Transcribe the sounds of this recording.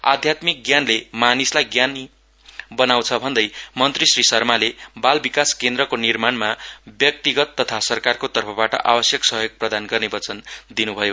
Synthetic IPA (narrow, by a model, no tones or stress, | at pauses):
a̰d̪ʱjat̪mik̚ɡjanlemanislajɡjan | bʌnaw̃t͡sʰʌbʱʌnd̪ʌjmʌnt̪risrisʌrmalebalbikaskend̪ɾʌkonirmanmabjʌk̚t̪iɡʌt̪ːʌt̪ʰasʌrkarkot̪ʌrpʰʌbaʈʌ̰ʔa̰bʌsjʌksʌɦjoɡ̚prʌd̪anɡʌrnebʌt͡sʌnd̪inubʱʌjo